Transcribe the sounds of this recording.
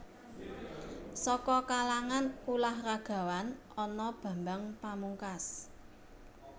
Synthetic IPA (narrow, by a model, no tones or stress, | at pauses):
sɔkɔkalaŋanulahraɡ̥a̤wan | ɔnɔb̥ä̤mbaŋpamuŋkas